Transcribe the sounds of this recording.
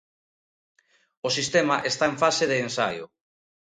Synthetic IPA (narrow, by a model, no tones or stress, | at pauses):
osist̪emaʔest̪aeɱfaseðeːnsa̰jʊ̰